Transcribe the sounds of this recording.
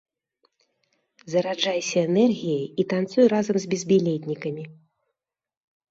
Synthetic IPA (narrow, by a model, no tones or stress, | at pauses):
zɐɾad͡ʐajsʲɐɛnɛrɣʲijɐjit̪ant̪sujuɾazɐmzʲbʲɛzʲbʲilʲet̪ʲnʲikɐmʲi